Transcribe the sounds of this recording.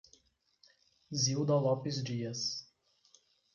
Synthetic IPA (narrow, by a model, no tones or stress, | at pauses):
zʲilˠd̪ɔlˠɔpʲis̬d͡ʒʲiɛs